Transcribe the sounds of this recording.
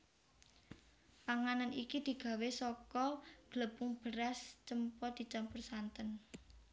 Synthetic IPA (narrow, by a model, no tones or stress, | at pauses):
paŋananikid̪̥i̤ɡ̥ä̤wesɔkɔɡ̥ləpuŋb̥əɾast͡ʃəmpɔd̪̥i̤t͡ʃampərsant̪ən